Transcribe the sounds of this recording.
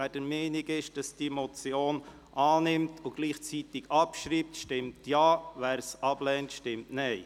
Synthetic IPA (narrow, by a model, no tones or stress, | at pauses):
æd̥əɾmɛniɡɪʃd̥ɑsd̥imɔt͡sjoːn | ʔɑːnɪmtʰʊɡ̥liːχt͡sit̪ɪɡɑpʃɾiːp̚tʃtɪmtjɑːʋæːɾsɑb̥lɛːntʃtɪmtnɛɪ